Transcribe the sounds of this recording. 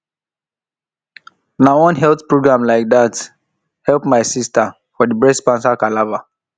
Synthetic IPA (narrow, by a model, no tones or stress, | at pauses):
nawɔ̃nɦɛltpɹoɡɹãmlaɪk̚dat | hɛlpmaɪsista | fɔdibɹɛspãnsakalava